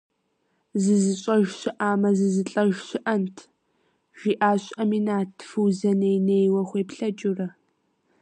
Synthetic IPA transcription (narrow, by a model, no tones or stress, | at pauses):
zɨzɨɕʼɐʒɕɪʔaːmɐzɨzɨɬʼɐʒɕɪʔɐntʰ | ʒ̥iːʔaːɕʼɐminaːtʰfɨwzɐnejneːjwɐχʷeːpɬɐt͡ʃʼʊrɐ